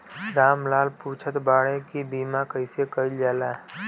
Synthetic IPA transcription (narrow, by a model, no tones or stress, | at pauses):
ɾaːmlaːlpuːt͡ʃʰət̪baːɽẽkibiːmakəɪsekəild͡ʒaːla